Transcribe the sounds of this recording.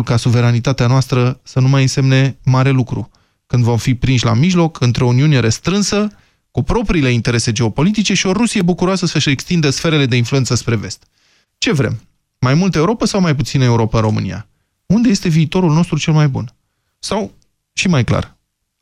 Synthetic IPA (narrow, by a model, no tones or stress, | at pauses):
lkasuve̞ɾanit̪at̪eanoast̪ɾəsənumajɨnse̞mne̞maɾe̞lukɾṵ | kɨnd̪vo̞mfipɾinʃʲla̰miʒlo̞kɨnt̪ɾeo̞uniune̞ɾe̞st̪ɾɨnsə | kupɾo̞pɾiːle̞int̪e̞ɾe̞se̞d͡ʒeo̞po̞lit̪̬it͡ʃe̞ʃio̞ɾusijebukuɾoasəsəʃekst̪ind̪əsfe̞ɾe̞le̞d̪e̞influe̞nsəspɾe̞ve̞st̪ | t͡ʃe̞vɾe̞̰mː | ajmult̪əeuɾo̞pəsawmajput̪sinəe̞uɾo̞pəɨnro̞mɨ̰nḭja̰ | und̪e̞je̞st̪e̞viːt̪o̞ɾulno̞st̪ɾut͡ʃe̞lmajbṵn | saw | ʃimajkla̰r